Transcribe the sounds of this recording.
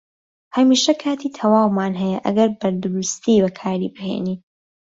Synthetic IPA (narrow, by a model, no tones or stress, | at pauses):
hɐmiːʃɐkʰaːt̪ʰiːt̪ʰɐwaːwmaːnɦɛjɐʔɐ̰ɡɐɾbɐɾd̪ʊɾust̪ibɐkʰaːɾiːbɨhḛːniː